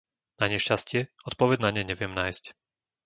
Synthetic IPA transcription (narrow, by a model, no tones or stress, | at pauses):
naɲɛʃcascɪɛɔt̪̚pɔʋɛɟnaɲɛɲɛʋɪjɛmnaːjsc